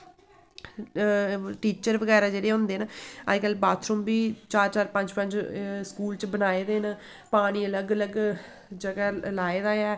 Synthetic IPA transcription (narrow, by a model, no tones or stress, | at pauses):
ʈiːt͡ʃəɾʋəɡɛːɾaːd͡ʒeːɽeːɦʊ̃ːnd̪eːnaə̰d͡ʒkəlbaːt̪ʰɾʊ̃ːmbiːt͡ʃaːɾt͡ʃaːɾpə̃ɲd͡ʒpə̃ɲd͡ʒskuːlt͡ʃbənaːeːd̪eːn | paːɽ̃iːələɡələɡ | d͡ʒəɡaːlaːeːd̪aːɛː